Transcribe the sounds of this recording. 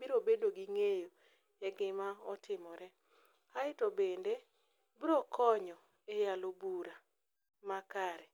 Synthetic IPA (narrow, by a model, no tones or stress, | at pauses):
biɾobedoɡiŋejo | ɛɡɪmaɔtʰɪmɔɾɛ | kaɪtobende | bɾɔkʰɔɲɔ | ejalobuɾa | makaɾɛ